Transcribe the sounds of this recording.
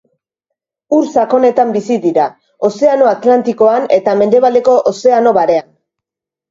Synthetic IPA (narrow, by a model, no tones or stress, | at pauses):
uɾsako̞ne̞t̪ambisiðiɾa | o̞se̞ano̞at̪lant̪iko̞ane̞t̪ame̞nd̪e̞βald̪e̞ko̞ʔose̞ano̞βaɾe̞an